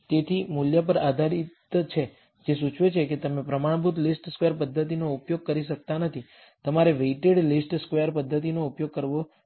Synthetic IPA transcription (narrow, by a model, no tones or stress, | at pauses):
t̪et̪ʰimuljapəɾad̪ʱaɾit̪t͡ʃʰe | d͡ʒesut͡ʃʰʋet͡ʃʰeket̪əmẽpɾəmaɳ̃bʱut̪lisʈskʋeəɾpəd̪ʱːət̪inoupjoɡ̚kəɾiʃək̚t̪anət̪ʰi | t̪əmaɾeʋeiʈeɖlisʈskʋejəɾpəd̪ʱːət̪̬inoupjoɡ̚kəɾʋo